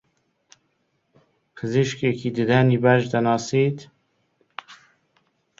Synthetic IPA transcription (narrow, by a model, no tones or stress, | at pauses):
pʰɨziʃkekʰiːd̪ɨd̪ɛniːbæʒd̪ɛnɑːsiːt̪